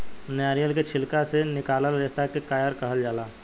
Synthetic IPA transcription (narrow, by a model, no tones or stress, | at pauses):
njaːɾijəlket͡ʃʰɪlkasenɪkaːləlɾɪst̪akekaːjəɾkəɦəld͡ʒaːlaː